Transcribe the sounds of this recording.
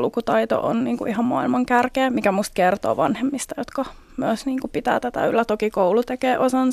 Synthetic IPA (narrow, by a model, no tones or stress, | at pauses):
lukut̪ɑit̪o̰ʔo̰nniːŋkuʔihɑmmɑ̰ilmɑŋkærkeːmikæmust̪̚kert̪o̰ːʋɑnhemːist̪ɑjot̪kɑ | myøsniːŋkupit̪æ̰ːt̪æt̪æ̰ylːæt̪okikoulut̪ekeːʔosɑns